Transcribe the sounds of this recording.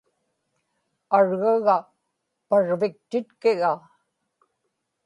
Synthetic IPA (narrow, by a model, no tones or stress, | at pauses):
aɻɣaɣa | paɻvɪk̚t̪ɪt̪kɪɣa